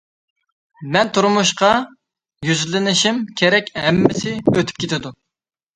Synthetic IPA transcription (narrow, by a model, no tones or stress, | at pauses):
mɛnt̪ʰuɾmuʃqɑ | jyzlɪnɪʃimkʲʰeɾɛkʲɦɛmːɪsɪøt̪ʰy̥p̚kʲʰet̪ʰɪd̪u